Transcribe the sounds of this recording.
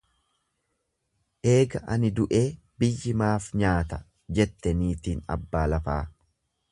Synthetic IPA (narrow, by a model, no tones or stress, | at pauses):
ʔe̞ːɡɐʔɐnɪd̪ʊʔe̞ː | bɪjːɪmaːfɲaːt̪ɐ | d͡ʒɛt̪ːɛniːt̪iːnɐ̰bːaːlɐfaː